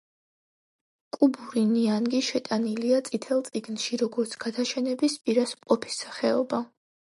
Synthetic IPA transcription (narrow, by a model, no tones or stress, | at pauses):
kʼubuɾinianɡiʃɛt̪ʼaniliat̪sʼit̪ʰɛlˠt̪sʼiɡnʃiɾɔɡɔɾt̪sʰɡ̥ad̪aʃɛnɛbispʼiɾasmqʼɔpʰi̥sːḁχɛɔba